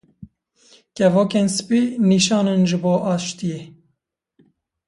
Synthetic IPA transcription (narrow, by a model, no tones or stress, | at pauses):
kɛvoːkeːnsɨ̥piːniːʃɑːnɨnʒɨboːʔɑːʃt̪ijeː